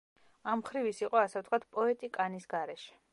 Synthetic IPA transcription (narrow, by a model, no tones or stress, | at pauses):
amχɾivisiqʼɔasɛft̪ʰkʰwat̪̚ʰpʼɔɛt̪ʼikʼanisɡaɾɛʃɛ̥